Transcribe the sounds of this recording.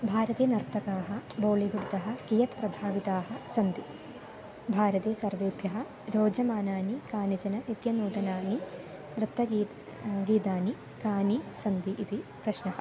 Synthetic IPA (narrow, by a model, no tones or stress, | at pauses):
bʱaːɾɐt̪eːnɐɾt̪ʰːɐkaːɦɐboːliɡuɽd̪ɐɦɐ̆kijɐt̪pɾɐbʱaːʋit̪aːɦɐ̆sɐnd̪i | bʱaːɾɐt̪eːsɐɾʋeːbʱjɐɦɐ̆ | ɾoːd͡ʒɐmaːnaːnikaːnit͡ʃɐnɐnit̪jɐnuːd̪ɐnaːni | d̪ɾɨt̪ːɐɡ | ɡiːd̪aːni | kaːnisɐnd̪iʔid̪ipɾɐʃnɐɦɐ̥̰̆